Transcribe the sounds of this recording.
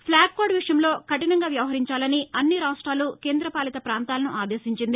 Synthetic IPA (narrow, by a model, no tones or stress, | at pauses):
pʰlaːɡkoːɖʋiʂɐjɐmlo̞ːkɐʈinɐŋɡaːʋjɐʋɐɦɐɾiɲt͡ʃaːlɐniɐnːiɾaːsʈaːluke̞ːnd̪ɾɐpaːlit̪ɐpɾaːnt̪aːlɐnuʔaːd̪eːsiɲt͡ʃind̪i